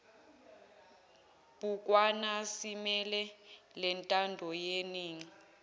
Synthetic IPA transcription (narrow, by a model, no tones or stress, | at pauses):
b̥ʱuk̬ʼwanasimɛlɛlɛntʼandʱɔjeniːŋi